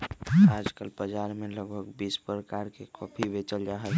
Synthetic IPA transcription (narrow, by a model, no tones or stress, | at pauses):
ad͡ʒkəlbəd͡ʒaɾmeləɡbʱəkbispɾəkaɾkekʰɔpʰibet͡ʃəld͡ʒaɦəl